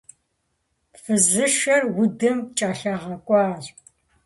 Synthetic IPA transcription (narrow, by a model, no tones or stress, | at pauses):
fɨzɨʃɐrwʊdɨmt͡ʃʼaːɬɐʁɐkʷʼɑːr